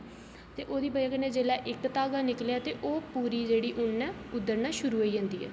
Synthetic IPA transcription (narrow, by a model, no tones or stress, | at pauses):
t̪eːʔoːd̪iːbəakənẽːd͡ʒeːlaːʔɪkt̪aːɡaːnɪkljaːt̪eːʔoːpuːɾiːd͡ʒeːɽiːʔʊnːɛ̃ːʊd̪ːəɾnaːʃʊɾuːɦoːiːd͡ʒãːnd̪iːɦɛ̰ː